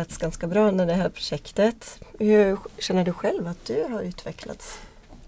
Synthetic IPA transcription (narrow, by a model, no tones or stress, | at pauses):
t̪sɡanskabɾɑːɛnd̪æɖɛɦæːɾpʰɾʊ̥ʂɛkt̪ət̪hɵɕɛnːəɖɵɧɛlvat̪̚d̪̥ɵɦaɾʉ̟ːt̪ʰvɛkʰla̰t̪s